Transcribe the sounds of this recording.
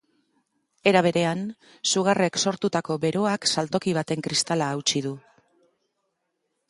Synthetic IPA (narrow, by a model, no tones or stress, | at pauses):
e̞ɾaβ̞e̞ɾe̞an | suɣare̞kso̞ɾt̪ut̪ako̞βe̞ɾo̞aksalt̪o̞kiβ̞at̪e̞ŋkɾist̪alaːwt͡ʃið̞u